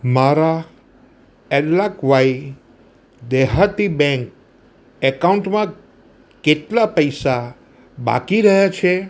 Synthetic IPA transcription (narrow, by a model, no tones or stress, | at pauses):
maɾa | ɛllakʋaj | d̪eɦat̪ibɛ̃ŋk | ɛkauɳʈmã | keʈlapəjsa | ba̰kiɾəɦjat͡ʃʰe